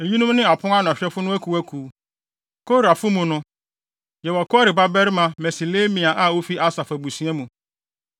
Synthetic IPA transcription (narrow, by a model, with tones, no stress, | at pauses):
e˨ji˦nʊ̃˦mnɪ̃˦a˨pʰʊ̃˦a˦n˨ã˨ɕᶣɛ˦fʊ˦nʊ̃˦æ˦kʰu˨æ˦kʰuː˨˦ | kʰo˦ɾa˨fʊ˦mũ˨nʊ̃˦ | jɛ˨wɔ˨kɔ˦ɾɪ˨ba˦bɛ˦ɾmã˨mɛ˨si˨leː˦mĩ˨a˨ʔa˦˨wo˦fi˦ʔa˦sa˨fæ˨bu˨si˨˦ɛ˦mũ˨